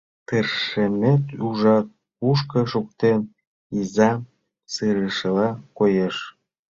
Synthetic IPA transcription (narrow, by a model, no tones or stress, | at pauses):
t̪ərʃemet̪uʒɑt̪̚ | puʃ̬kɤʃuk̚t̪en | izɑm | sɯɾəʃə̆lɑkojeʃ